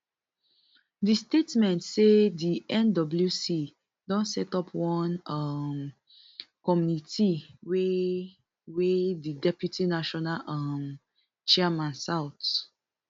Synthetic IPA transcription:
distetmɛ̃ntsediɛ̃ndɔbl̩jusi | dɔ̃nsɛtɔpʰwɔ̃nʌm | kɔmjunitiwe | wedidɛpjutʰinaʃɔnalʔãm | t͡ʃɛamãnsawt

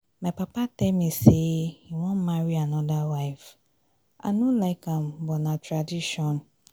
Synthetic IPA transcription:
mapapatɛlmĩsejiwɔ̃nmaɾianɔdawaɪf | ʔa̰nulaɪkãmbɔnãtɾadiʃɔ̃n

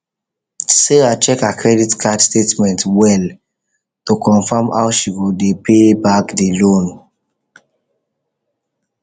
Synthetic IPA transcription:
seɾat͡ʃɛkakʰɹɛditkʰadstetmɛ̃ntwɛl | tokɔ̃nfama̰ʊʃiɡɔdepʰebakdelõn

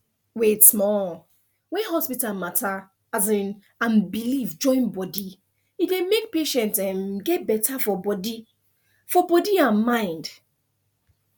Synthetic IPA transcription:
wetmɔ | wɛ̃nɦɔspitalmatʰa | azĩn | ãnbilivd͡ʒɔ̃ɪ̃nbɔdi | idẽmek̚peʃɛ̃ntɛ̃mɡɛt̚bɛtʰafɔbɔdi | fɔbɔdiãnmãɪ̃nd

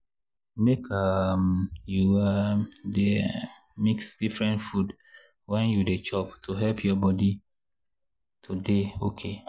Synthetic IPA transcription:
mekʰamjuademiksdifɹɛ̃ntfud | wɛ̃njudet͡ʃɔptʰoɦɛlpʰjɔbɔdi | tʰodeokʰe

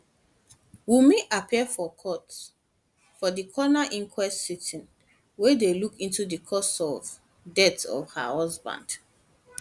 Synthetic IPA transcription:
wimeʔapʰiəfɔkʰɔt | fɔdikʰɔnaʔĩŋkʰwɛstsitĩn | wedelukĩntudikʰɔsɔv | dɛtsɔ̰vha̰hɔzbã̰nd̥

